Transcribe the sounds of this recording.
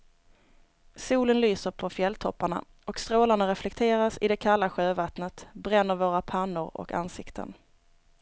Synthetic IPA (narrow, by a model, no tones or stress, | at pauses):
suːlənlyːsəɾpʰɔfjɛlt̪ʰɔpːaɳa̰ | ɔkst̪ɾoːlaɳaɾɛflɛk̚t̪ʰeːɾasɪd̪ɛkʰalːaɧøːvat̪nət̪bɾɛnːəɾvoːɾapʰanːʊɾɔ̰ka̰nsɪkt̪ʰə̰n